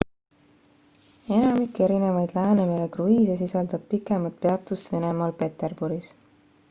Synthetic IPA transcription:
e̞nɑmikːˑe̞ɾine̞vɑjd̪̥læːnemelekruisesisɑld̪̥ɑb̥̚pikːˑe̞mɑt̪̚peɑt̪ːˑust̪ve̞ne̞mɑlpe̞t̪e̞rb̥uɾis

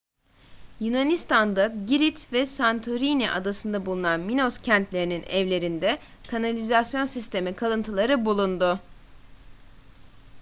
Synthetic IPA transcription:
junanist̪ʰand̪aɟiɾit̪vɛsant̪ʰoɾiniʔa̰d̪asɯnd̪abulˠunanmino̞scʰænt̪lʲe̞ɾininɛvlʲe̞ɾind̪ɛ | kʰanalʲizasjo̞nsist̪ʰe̞mikʰalˠɯnt̪ʰɯlˠaɾɯbulˠund̪ʊ

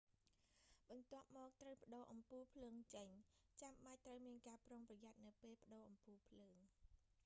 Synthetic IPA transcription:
ɓɑnt̪ŏəp̚mɔːk̚t̪rəwpə̆ɗoːʔɑmpuːpʰləːŋt͡ɕəɲt͡ɕamɓac̚t̪rəwmiənkaːproːŋprɑjat̪̚nɨwpeːlpə̆ɗoːʔɑmpuːpʰləːŋ

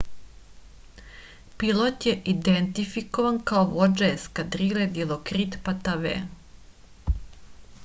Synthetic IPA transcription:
pilˠot̪jeʔid̪ent̪ifikoʋankaoʋo̞d͡ʒeskad̪ɾiled̪ilˠokɾit̪pat̪aʋḛː

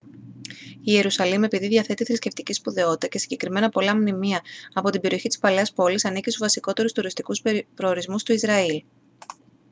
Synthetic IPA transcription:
ie̞ɾusɐlime̞piðiðʝɐθe̞t̪iθɾisce̞ft̪icispuðe̞o̞t̪it̪ɐce̞siɲɟe̞kɾime̞nɐpo̞lɐmnimiɐːpo̞t̪ibe̞ɾʔio̞çit̪i̥spɐle̞ɐspo̞lisɐnicist̪uzvɐsiko̞t̪e̞ɾust̪uɾist̪ikuspɾo̞ːɾizmust̪uizɾɐil

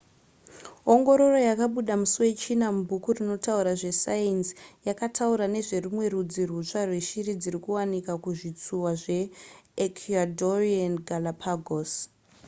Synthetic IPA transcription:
o̞ŋɡo̞ɾo̞ro̞jakaɓuɗamusuwe̞t͡ʃinamubʱukurino̞tauɾaʐe̞sajensjakatʰauɾane̞ʐe̞rimwe̞ɾud͡zirut͡ʂarwe̞ʃirid͡ziɾikuwanikakuʐit͡suwaʐe̞ːkʰadorianɡʱalapʰaɡʱos

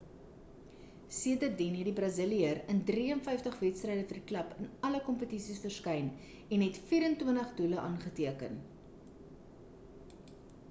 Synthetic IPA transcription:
siətərdinɦɛt̚dibrɑzəliəɾəndriənfɛjftəχvɛtstrɛjdəfərdiklɐpənɐləkɔmpətisisfərskɐjn | ɛnɦɛtfiːɾəntwəntəχduləʔɑːnχətiəkə̰n

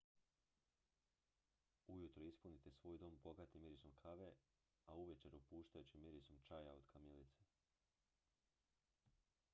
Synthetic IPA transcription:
ujut̪ɾoispunit̪e̞sʋo̞ːjd̪o̞ːmbo̞ɡat̪imiɾisomkʰaʋe | auʋet͡ʃeɾupuːʃt̪ajut͡ɕimiɾisomt͡ʃajaod̪̥kʰamjelit̪se

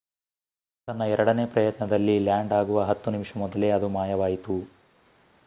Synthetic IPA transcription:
t̪ɐnːɐɛɾɐɽɐne̞ːpɾɐjɐt̪nɐd̪ɐlːiljaːɳɖaːɡuʋɐɦɐt̪ːunimʂɐmɔd̪ɐle̞ɐd̪umaːjɐʋaːjit̪u

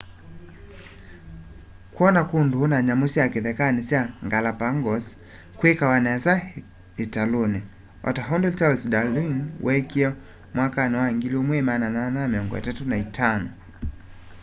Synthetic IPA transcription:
kuɔnakundunaɲamusiakɛðɛkanisiaŋɡalapaŋɡɔs | kwɛkawanɛza | italuni | ɔ̰taɦɔndɛltalsdaliŋwʔɛkiɔ | mwakanɛwaŋɡiliɔmwɛmanananamiɔŋɡɔ̰ja̰tatunaitʰanɔ

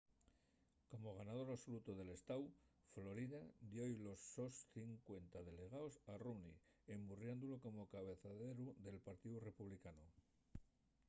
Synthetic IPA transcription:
ko̞mo̞ɣ̞anað̞o̞ɾaβso̞lut̪oðe̞le̞st̪aw | flo̞ɾiðad̪jojlo̞sːo̞sθiŋkwe̞nt̪aðe̞le̞ɣ̞aosarunḭemburjand̪ulo̞ko̞mo̞kaβ̞e̞θaðe̞ɾuðe̞lpaɾt̪iðure̞puβlikano

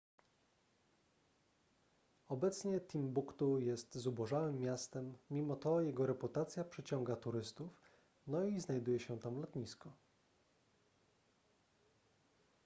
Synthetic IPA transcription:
ɔbɛt̪sɲɛt̪ʲimbukt̪ujɛst̪zubɔʐawɘmːjast̪ɛmːʲimɔt̪ɔjɛɡɔɾɛput̪at̪sʲjapʂɘt͡ɕɔŋɡat̪uɾɘst̪uf | nɔiznajd̪ujɛɕɛt̪amlɔt̪ɲiskɔ

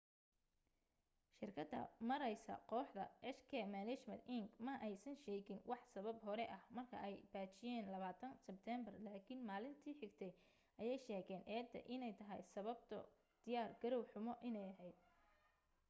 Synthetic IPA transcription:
ʃɪrkʰɐd̪ːɐ̰mɐɾɛjsɐ̰qɔːħd̪ɐʔɛʃkʰɛmaːnɛt͡ʃmɐnt̪ʔɪŋɡmɐʔɛjsɐnʃɛːɣɪnwɑħsɐβɐbɦɔɾɛʔɐhmɐrkʰɐ̰ʔɛjb̥aːt͡ʃɪjɛːnlɐβaːt̪ʰɐnsɛb̚t̪ʰɛmbɐrlaːkʰɪnmaːlɪnt̪ʰiːħɪɡt̪ʰɛj | ʔɐjɛjʃɛːɣɛːnʔɛːd̪ʰɐ̰ʔɪnɛjt̪ʰɐɦɛ̰jsɐβɐb̚t̪ʰɐ̰ | d̪̥ɪjaːrɡɐɾɔwħʊmɔʔɪnɛjɐɦɛjd̪̥̚

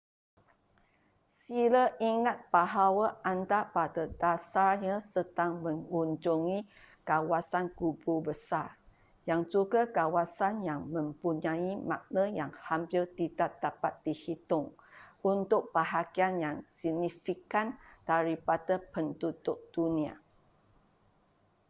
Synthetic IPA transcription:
siləʔiŋat̪̚b̥aɦawaandapadadasaɲãsətaŋmə̃ŋuɲd͡ʒuŋi | kawasankububəsa | jaŋd͡ʒuɡakawasanjaŋmə̃mpuɲãimã̰ʔ̚nəjaŋhampɪrt̪idaʔ̚d̪̥apat̪̚dihit̪ʊŋunt̪ʊk̚b̥əɦakianjaŋsiɡnifikand̥aɾipadapənt̪ut̪ʊʔ̚d̥unĩa̰

